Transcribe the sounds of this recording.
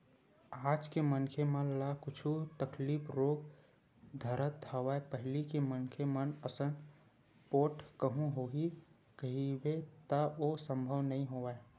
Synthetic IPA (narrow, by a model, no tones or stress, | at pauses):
aːd͡ʒkemənkʰemənlakʊt͡ʃʰut̪əkliːpɾoɡ | d̪ʱəɾət̪̚aʋaepəɦɪlikemənkʰemənəsən | poːʈkəɦũɦoɦi | kəɦibet̪əosə̃mbʱəʋnəĩɦoae